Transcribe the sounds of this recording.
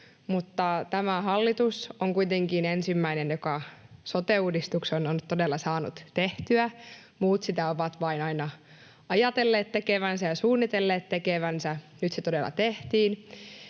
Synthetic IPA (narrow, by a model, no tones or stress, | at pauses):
mut̪ːɑt̪æmæhɑlːit̪usoŋkuit̪eŋkiːnensimːæinenjokɑsot̪euːdist̪uksonont̪t̪odelːɑsɑːnṵt̪t̪eht̪yæ | muːt̪sit̪æoʋɑt̪ʋɑinɑinɑ | ɑjɑt̪elːeːt̪t̪ekeʋænsæjɑsuːnːit̪elːeːt̪t̪ekeʋænsæ | nyt̪set̪odelːˑɑ̰t̪eht̪iːn